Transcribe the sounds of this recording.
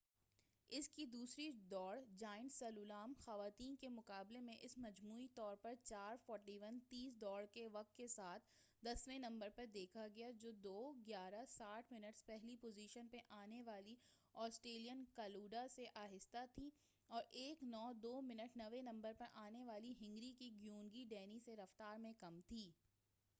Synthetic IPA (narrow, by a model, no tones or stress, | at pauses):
ɪskid̪uːsɾid̪ɔːɽd͡ʒaːɪɳsɐlulaːmxɐʋaːt̪iːnkemʊkaːblemẽʔɪsmɐd͡ʒmuːit̪ɔːɾpɐɾt͡ʃaːɾfɔːɾʈiʋənt̪iːs̬d̪ɔːɽkeʋɐk̚t̪kesaːt̪ʰ | d̪ɐsʋẽnɐ̃mbəɾpɐɾd̪eːkʰaɡɐjad͡ʒoːd̪oːɡjaːɾasaːʈʰmɪnəʈspɛɦlipoːziːʃənpeʔaːneʋaːli | ɔːsʈɾeːlijənkaːluːɖaseʔaːɦɪst̪at̪ʰi | ɔːɾʔeːknɔːd̪oːmɪnəʈnɐʋenɐ̃mbəɾpɐɾʔaːneʋaːliɦɪ̃ŋɡɾikiɡjuːnɡiɖɛːniseɾɐft̪aːɾmẽkɐmt̪ʰiː